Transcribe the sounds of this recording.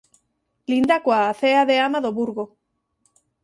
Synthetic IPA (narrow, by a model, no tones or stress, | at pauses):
lind̪akwaːθeaðe̞amaðoβuɾɣo